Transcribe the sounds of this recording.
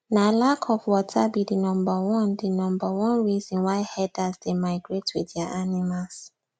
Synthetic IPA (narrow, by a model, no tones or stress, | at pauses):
nalakʰɔvwɔtʰabidinɔ̃mbawɔ̃ndinɔ̃mbawɔ̃nɹizɔ̃nwaɪhɛdazdemaɪɡɹetʰwidiaʔanimals